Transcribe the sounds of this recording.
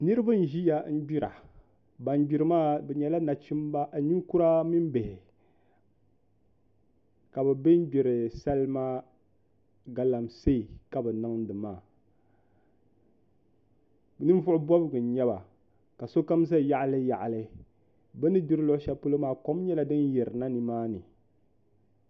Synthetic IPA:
nɨ˦ɾɨ˦ba˦n̩˨ʒi˦ja˨˦n̩˦ɡ͡bi˦ɾa̰˨ | ba˨n˦ɡ͡bi˨ɾɨ˨maː˦bɛ˨ɲɛ˨la˦na˨t͡ʃi˦mba˦ʔɲi˦ŋ˦ku˦ɾa˦mi˦m˦be˨hɪ˨ | ka˨bɛ˨be˦n̩˦ɡ͡bi˨ɾɨ˨sa˦lma˦ | ɡa˨la˨mse˦˨ka˨bɛ˨nɨ˦ŋdɨ˨maː˦˨ | bnɨ˦m˦vʊ˦ʔʊ˦bɔ˦bɨ˨ɡɨ˨n˨ɲɛ˦ba˨ | ka˨so˦ka˦m˦s̬a˦˨ja˦ʔlɨ˦ja˨ʔlɨ˦ | bɛ˦nɨ˦bi˦ɾɨ˦lʊ˦ʔʊ˦ʃa˦po˦lo˦maː˦˨ko˦m˦ɲɛ˦la˦dɨ˦njɛ˨ɾɨ˨na˦nɨ˨maː˦nɨ˨

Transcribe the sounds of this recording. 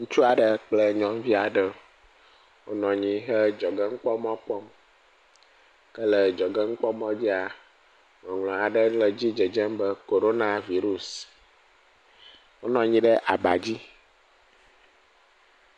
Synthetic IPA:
ŋũ˦t͡ʃu˦a˨ɖə˨k͡plə˦ɲɔ̃˨m˦vi˦a˨ɖə˦ | wo˦nɔ̃˨ɲĩ˨ɦə˦d͡ʒɔ˨ɡə˦ŋ̩˦k͡pɔ˦mɔ̃˦k͡pɔ˦m | kə˦lə˨d͡ʒɔ˨ɡə˦ŋ̩˦k͡pɔ˦mɔ̃˦d͡ʑi˦a˨ | ŋɔ̃˨ŋlɔ̃˨a˨ɖə˦lə˨d͡ʑi˦d͡ʒə˨d͡ʒɛ˦mbə˦ko˨ɾo˦na˨vi˦ɾu˨s | wo˦nɔ̃˨ɲĩ˦ɖə˦ʔa˨ba˨d͡ʑi˦

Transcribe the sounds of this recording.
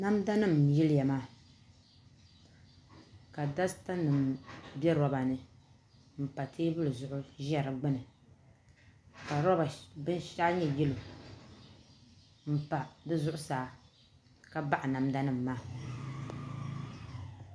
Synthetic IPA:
na˦mda˦nɨ˦˨mjɪ˦lɪ˦ja˨maː˦ | ka˨da˦sta˦nɨ˨mbɛ˦ɾɔ˦ba˨nɨ˨ | m̩˨pa˨tʰeː˦bɨ˦lɨ˨zʊ˨ʔʊ˦ʒɛ˦˨ɾɨ˨ɡ͡bɨ˦nɨ˨ | ka˨ɾɔ˦ba˨bɨ˦nʃa˦ɲɛ˦jɛ˦lo˨ | m̩˨pa˨dɨ˦zʊ˦ʔʊ˦saː˨˦ | ka˦ba˦ʔa˨na˨mda˦nɨ˦˨mːaː˦

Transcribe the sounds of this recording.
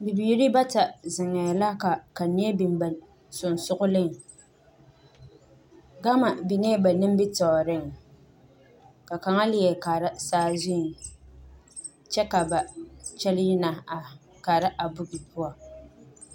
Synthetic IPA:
bi˨biː˨ɾi˦ba˦ta˨zɪ˨ŋɛ˨la˦ka˨ka˨ni˦ɛ˦bi˨m˨ba˨l | sʊ˨n˨sʊ˦ʔʊ˦lɨ˦ŋ | ɡa˦ma˨bi˨ŋɛ˦ba˨nɨ˦m˦bi˦tɔ˨ɾɪ˦ŋ | ka˨ka˨ŋa˦lɪ˦jɛ˨ka˨ɾa˦saː˦zʊ˦˨ | t͡ʃɛ˦ka˨ba˨t͡ʃɛ˦lɪ˦ji˦na˨ | ka˨ɾa˦ʔa˨bʊ˦ɡi˨pu˦a˨

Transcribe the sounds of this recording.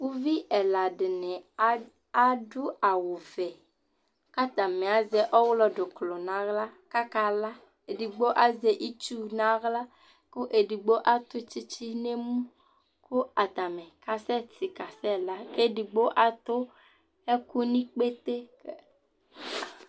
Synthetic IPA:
wu˦vi˦ʔɛ˨la˨ɖe˨nẽ˨ | a˦ɖu˦a˨wo˨vɛ˨ | ka˦t̪a˨mẽ˨a˨zɛ˨˦ʔɔ˦wlɔ˦ɖo˨klo˨nã˦ɣla˦ka˦ka˦la˦ | e˨ɖi˨ɡ͡bo˦ʔa˦ze˨ʔi˦t͡ʃu˦nã˦ɣla˦ | ko˦ʔe˨ɖi˨ɡ͡bo˦ʔa˦t̪o˦t͡ʃi˦t͡ɕi˦ne˦mũ˦ | ko˦a˨t̪a˨mẽ˨ka˨sɛ˦t̪i˨ka˨sɛ˦la˦ke˦di˨ɡ͡bo˦ʔa˨t̪o˦ | e˦ku˦nĩ˦k͡pe˦t̪e˦

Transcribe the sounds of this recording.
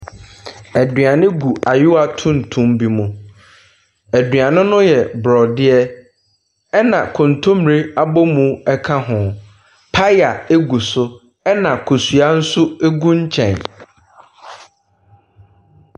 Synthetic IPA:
æ˨dɥa˨nɪ̃˦ɡu˨ʔa˨jʊ˦wa˨tʰʊ̃˦n̩˨tʰũ˦mbi˦mũ˨ | æ˨dɥa˨nʊ̃˦nʊ̃˦jɛ˨bɾɔ˨dɪ˦ɛ˦ | ɛ˦nã˨kʰʊ̃˨n˨tʰʊ̃˦mɾe˦a˦bɔ˦mũ˨ɛ˦kʰã˦ɦʊ̃˨ | pʰa˦ja˨e˦ɡu˨sʊ˦ | ɛ˦nã˨kʰo˨su˨a˦n̩˦sʊ˦e˦ɡũ˦ɲ̩˦t͡ɕʰɛ̃˨n

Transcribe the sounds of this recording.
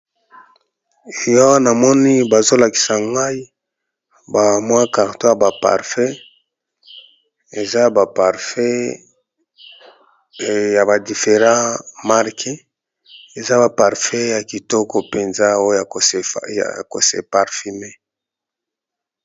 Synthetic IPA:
e˨ja˦wna˨mɔ˦ni˦ba˨zo˦la˨ki̥˨sa˨ŋɡa˦i˦ | ba˨mwa˦ka˨ʁto˦ja˨ba˨pa̰˨ʁfɛ˦ | e˨za˦ba˨pa˨ʁfɛ˦ | ja˨ba˨di˨fe˨ʁã˦ma˦ʁkʰi˦ | e˨za˦ba˨pa˨ʁfɛ˦ja˨ki˨tɔ˦kɔ˨pe˨nza˦o˦ja̰˨ko̰˨sḛ˨pa˨ʁfi˨me˦

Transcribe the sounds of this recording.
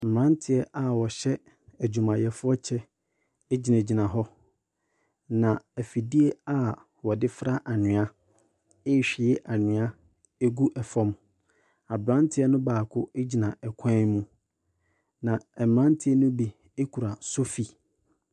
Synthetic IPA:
m̩˨ɾã˦ntʰɪ˨˦ɛ˦ʔa˨wɔ˨ɕɛ˦ | æ˨d͡ʑᶣũ˨mã˨jɛ˨fʊ˦ɔ˦t͡ɕʰɛ˦ | e˦d͡ʑi˨nã˨d͡ʑi˨nã˨ɦɔ˦ | nã˨æ˨fi˨di˦e˦a˨ | wɔ˨dɪ˦fɾa˦ʔa˨nʊ̃˨a˦ | e˦˨ɕᶣɪ˨ɛ˦ʔa˨nɪ̃˨a˦ | e˦ɡu˦ʔɛ˨fɔ̃˦m | a˨bɾã˦ntʰɪ˦ɛ˦nʊ̃˦baː˨kʰʊ˦e˦d͡ʑi˨nã˨ʔɛ˨kʷʰã˦mũ˦ | nã˨ɛ˨mɾã˦n˦tʰɪ˦ɛ˦nʊ̃˦bi˦ | e˦kʰu˨ɾa˨so˦fi˨

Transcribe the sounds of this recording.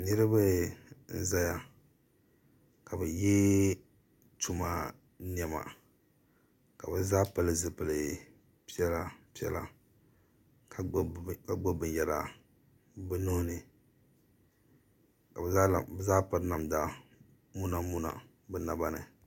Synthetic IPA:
nɨ˦ɾɨ˦bɨ˦n̩˦za˦ja˨ | ka˨bɨ˨jɛ˦ | tu˦ma˦ | ni˦ɛ˨ma̰˨ | ka˨bɨ˨zaː˦pa˨lɨ˨zɨ˦pɨ˨lɨ˨ | pi˦ɛ˦la˦pi˦ɛ̰˦la̰˨ | ka˦˨ka˨ɡ͡bo˦bɨ˨jɛ˨ɾa̰˨ | bɨ˦nʊ˦hʊ˦nɨ˨ | ka˨ba˦˨bzaː˦pa˦ɾna˨mda˨ | mu˦na˦mu˦na̰˨ | bɨ˨na˨ba˦nɨ̰˨

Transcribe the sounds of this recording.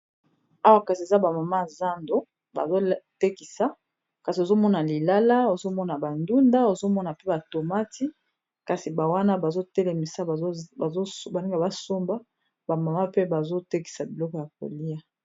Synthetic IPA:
a˦wa˦ka˨si˨e˨za˦ba˨ma˨ma˦˨za˦ndo˨˦ | ba̰˨zo˦te˦ki˨sa˨ | ka˨si˨o˨zo˦mɔ˦na˨li˨la˦la˦o˨zo˦mɔ˦na˨ba˨ndu˦nda˦o˨zo˦mɔ˦na˨pe˦ba˨to˨ma˦ti˦ | ka˨si˨ba˨wa˦na˦ba˨zo˦tɛ˦lɛ˨mi˨sa˦˨˦zo˦ba˨ne˦ŋɡa˨ba˦so˦mba˦ | ba˨ma˨ma˦pe˦ba˨zo˦te˦ki̥˨sa˨bi˨lɔ˦kɔ˨ja˨k̚o̰˨li˦ja˦

